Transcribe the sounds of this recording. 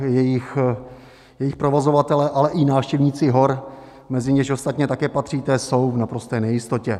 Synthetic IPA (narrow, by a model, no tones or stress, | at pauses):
jɛjɪx | jɛjɪxpɾo̞vozo̞vat̪ɛlɛʔalɛʔɪnaːfʃcɛvɲiːt͡sɪɦo̞ɾ | mɛzɪɲɛʃo̞st̪at̪ɲɛt̪akɛːpat̪r̥iːt̪ɛso̞wvnapɾo̞st̪ɛːnɛjɪst̪o̞cɛ